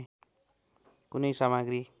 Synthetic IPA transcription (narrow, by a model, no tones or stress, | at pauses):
kunʌjsamaɡɾi